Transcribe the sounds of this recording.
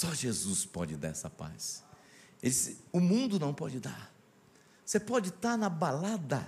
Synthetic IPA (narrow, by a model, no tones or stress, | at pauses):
sɔʒezuspɔd͡ʒɪd̪a̰ɾɛsɐpa̰s | elɪd͡ʒisɪʊmũnd̪ʊnɐ̃w̃pɔ̰d͡ʒɪd̪a̰ɾ | sepɔd͡ʒɪt̪aɾnɐbalad̪ɐ̰